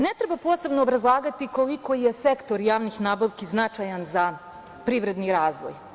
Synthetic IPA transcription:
net̪ɾebapo̞ːse̞bnoːbɾazlˠaːɡat̪ikoliko̞jesekt̪o̞ɾjaːʋnixnaːbaʋkiznat͡ʃajanza | pɾiːʋɾe̞d̪niɾaːzʋo̰j

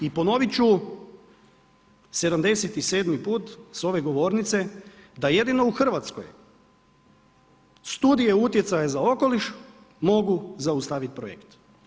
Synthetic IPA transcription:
ipo̞no̞ʋit͡ʃu | se̞d̪amd̪e̞set̪ise̞ːd̪mipuːt̪so̞ʋe̞ɡo̞ʋo̞ːɾnit̪se̞d̪aje̞d̪ino̞uxr̩ʋat̪sko̰j | st̪uːd̪ije̞ut̪je̞t̪sajazao̞ko̞liʃ | mo̞ɡuzaust̪aʋit̪̚pɾojḛkt̪

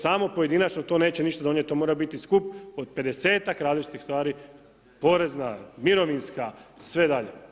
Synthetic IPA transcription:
samo̞poje̞d̪inat͡ʃnot̪o̞ːne̞ːt͡ɕeniʃt̪ad̪o̞nɲjet̪ːomo̞ɾabit̪iskupod̪̚pe̞d̪e̞se̞ːt̪akɾaːd̪lit͡ʃi̥t̪ixst̪ʋaːɾi | po̞ɾe̞znamiɾo̞ʋinskasʋe̞d̪aʎe̞̰

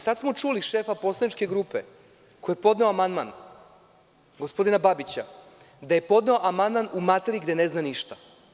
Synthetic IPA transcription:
sad̪smo̞t͡ʃuːliʃeːfapo̞slˠad̪nit͡ʃke̞ɡɾuːpe | ko̞jepo̞d̪ne̞oamand̪man | ɡospo̞d̪inababit͡ɕa | d̪aje̞po̞d̪neo̞ʔamand̪manumat̪eɾiɡd̪e̞ne̞znaniʃt̪a

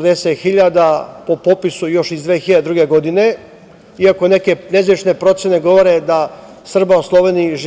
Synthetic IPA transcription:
d̪eset̪xiʎad̪apo̞popisujo̞ʃizd̪ʋeːxiʎad̪ed̪ɾuːɡeɡod̪ine̞ | iako̞ne̞ke̞nezʋit͡ʃne̞pɾo̞t̪sene̞ɡo̞ʋoɾe̞d̪a | sr̩bauslˠo̞ʋeːniʒ

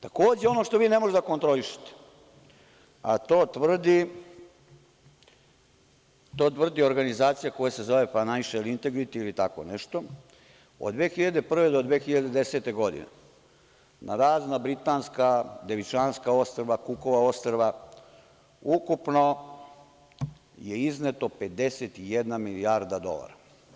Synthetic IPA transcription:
t̪ako̞ːd͡ʑeo̞noʂt̪oʋiːne̞moʒed̪akont̪ɾo̞liʃe̥t̪e̥ | at̪oːt̪ʋr̩d̪i | t̪oːt̪vr̩d̪io̞ɾɡanizaːt̪sijako̞jase̞zo̞ʋe̞panaiʃelint̪e̞ɡɾit̪iilit̪ako̰nɛʃt̪o̞ | od̪ʋeːxiʎad̪e̞pr̩ʋe̞d̪o̞d̪ʋeːxiʎad̪ed̪ese̞t̪e̞ɡo̞d̪ḭnḛ | nʔaɾaːznabɾit̪aːnskad̪e̞ʋit͡ʃaːnskao̞st̪ɾʋakuko̞ʋao̞st̪ɾʋa | ukupno̞ | je̞iznet̪o̞pe̞d̪e̞set̪ijed̪namiliaɾd̪ad̪o̞̰la̰ɾa̰

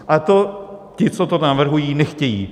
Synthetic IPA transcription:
ʔat̪ocɪt͡sot̪onavr̩ɦujiːnɛxcɛjḭː

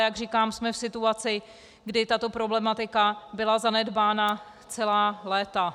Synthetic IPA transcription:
jaɡr̝iːkaːmsmɛfsɪt̪uat͡sɪ | ɡdɪt̪at̪o̞pɾo̞blɛmat̪ɪkabɪlazanɛdbaːna | t͡sɛlaːlɛːt̪a

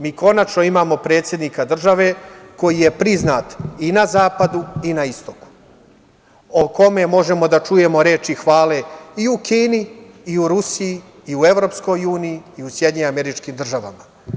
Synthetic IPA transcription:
miːko̞nat͡ʃno̞imaːmo̞pɾe̞ːt̪sʲje̞d̪nikad̪r̩ʒaʋe̞ko̞jijepɾiznaːt̪inazaːpad̪uinaist̪oku̥ | oko̞me̞mo̞ʒe̞mo̞d̪at͡ʃuje̞mo̞ɾe̞ːt͡ʃixʋaːle̞iukiːniː | uɾusijiː | ue̞ʋɾo̞ːpsko̞juːnijiːusjed̪ɲeameɾit͡ʃkimd̪r̩ʒaʋa̰ma

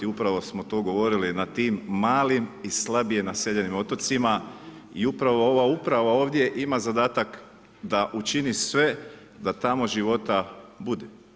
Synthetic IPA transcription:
iupɾaʋo̞smo̞t̪o̞ːɡo̞ʋo̞ɾilinat̪iːmːaːlimislabijenaseʎe̞nimo̞t̪o̞t̪sima | iupɾaʋo̞o̞ʋaupɾaʋao̞ːʋd̪ʲje̞ʔimazad̪aːt̪ak | d̪aʔut͡ʃinisʋe̞ | d̪at̪amo̞ʒiʋo̞t̪abud̪e

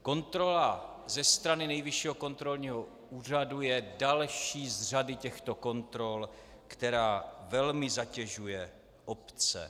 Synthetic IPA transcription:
ko̞nt̪ɾo̞la | zɛst̪ɾanɪnɛjvɪʃiːɦoko̞nt̪ɾo̞lɲiːɦo | uːr̝adujɛdalʃiːzr̝adɪcɛxt̪o̞ko̞nt̪ɾo̞l | kt̪ɛɾaːvɛlmɪzacɛʒujɛ | ʔopt͡sɛ̰

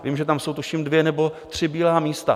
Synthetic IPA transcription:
viːmʒɛt̪amso̞wt̪uʃimdvjɛnɛbo̞t̪r̝̥ɪbiːlaːmiːst̪a

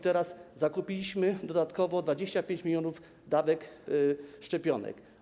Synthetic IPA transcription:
t̪ɛɾaszakupʲilʲiɕmɘd̪ɔd̪at̪kɔvɔd̪vad͡ʑeɕt͡ɕapʲjẽɲt͡ɕmʲilʲjɔnuf | d̪avɛk | ʂt͡ʂɛpʲjɔnɛ̰k

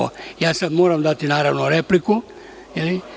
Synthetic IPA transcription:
o̰jaːsad̪moːɾamd̪at̪inaːɾaʋnoɾepliku | jeli

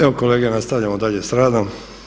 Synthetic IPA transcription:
ekoleːɡenast̪aʋʎamod̪aʎe̞sɾaːd̪am

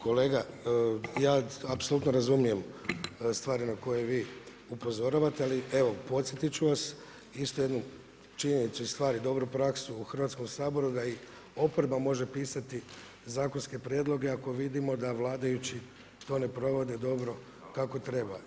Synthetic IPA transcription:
ko̞leːɡa | jaːapso̞lˠut̪noɾazumije̞mst̪ʋaːɾinako̞jeʋiː | upo̞zo̞ɾaʋat̪ealieʋo̞po̞t̪sʲjet̪it͡ɕuʋas | ist̪uje̞d̪nu | t͡ʃiɲe̞nit̪suist̪ʋaːɾid̪o̞bɾupɾaksuuxr̩ʋat̪sko̞msaːbo̞ɾud̪ai | o̞po̞ɾbamo̞ʒe̞piːsat̪i | zaːko̞nske̞pɾje̞d̪lˠo̞ɡe̞ako̞ʋid̪imo̞d̪aʋlˠaːd̪ajut͡ɕi | t̪o̞ːne̞pɾo̞ʋo̞d̪e̞d̪o̞bɾo̞ | kako̞t̪ɾe̞ba

